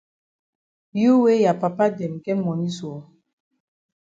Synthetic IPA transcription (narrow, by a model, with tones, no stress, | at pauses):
ju˦we˦ja˨pa˨pa˦dɛ˨m˨kɛ˦mɔ˨ni˦su˨ɔ˨˦